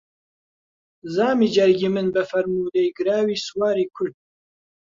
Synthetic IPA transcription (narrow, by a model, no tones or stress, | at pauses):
zaːmiːd͡ʒɐɾɡiːmɨnbɨfɐɾmuːlejɡɨɾaːwiːswaːɾiːkʰʊɾd̪̚